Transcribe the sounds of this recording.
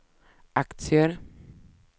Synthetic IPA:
ʔakt̪sɪəɾ

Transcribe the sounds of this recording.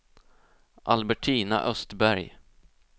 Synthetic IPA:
ʔalbɛʈʰiːna̰ʔœst̪bæɾj

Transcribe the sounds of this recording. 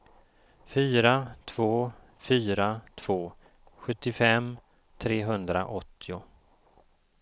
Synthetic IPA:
fyːɾat̪ʰv̥oː | fyːɾat̪ʰv̥oː | ɧɵt̪ːɪfɛm | t̪ʰɾeːɦɵnd̪ɾa̰ʔɔt̪ʰːɪʊ

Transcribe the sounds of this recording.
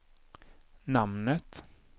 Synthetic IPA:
namnət̪

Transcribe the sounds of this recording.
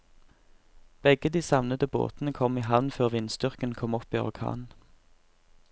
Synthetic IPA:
b̥ɛɡəd̪iːsɑʋnəd̪əbo̰ːt̪n̩əkʰɔmiːɦɑʋnføːʁʋɪnst̪ʏʁkənkʰɔmɔpiːɔ̰ʁkʰɑ̰ːnn̩

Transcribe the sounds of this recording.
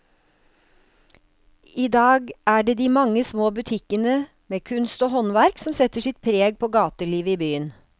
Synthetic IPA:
iːd̪ɑːɡʔæːɖeːd̪iːmɑŋːəsmoːbʉt̪ʰɪkənə | meːkʰʉnst̪oːhɔnʋæɾksɔmsɛt̪əʂɪt̪̚pʰɾeːɡ̚pʰoːɡɑːt̪əɭiːʋəiːbyːən

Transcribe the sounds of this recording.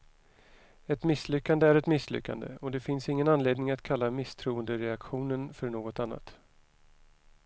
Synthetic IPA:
ɛt̪mɪsːlʏkːand̪əæɾɛt̪mɪsːlʏ̰kːa̰nd̪ə̰ɔd̪ɛfɪnsɪŋːənanleːd̪nɪŋat̪kʰalːamɪst̪ʰɾuːənd̪əɾɛakɧuːnənfœɾɳoːɡɔt̪anːa̰t̪

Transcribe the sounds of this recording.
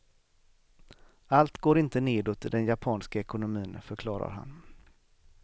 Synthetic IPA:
alt̪ɡoːɾɪnt̪əneːd̪ot̪d̪ɛnjapʰɑːnskaɛkʊnʊmiːnfœɾkʰlɑːɾa̰ɾɦa̰n

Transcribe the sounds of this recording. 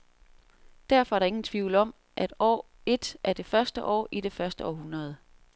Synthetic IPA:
d̥æɐ̰fɒ̽æɐɾ̥ɑ̈e̝ŋn̩t͡sʰʋiʊ̰lɒ̽m̰ | ʔæd̥ɒ̰ː | e̝d̥ʔæɐd̥e̝fɶɐsd̥əʔɒ̰ːʔid̥e̝fɶɐsd̥əɒ̰ːɦunʁɐð̞̩ˠ

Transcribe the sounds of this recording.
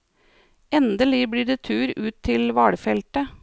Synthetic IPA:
ʔɛnd̪əliːbɽiːɖ̪eːt̪ʰʉːɾʉːt̪ʰːɪlʋɑːɽəfɛlt̪ə

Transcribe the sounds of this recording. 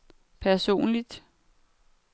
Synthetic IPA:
pʰæɐso̝̰ːnlid̥

